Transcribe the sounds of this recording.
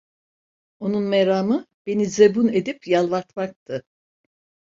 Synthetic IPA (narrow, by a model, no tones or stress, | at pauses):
o̞nunmeɾaːmɯ | be̞nizebune̞d̪ipjalˠvaɾt̪mak̚t̪ʰɯ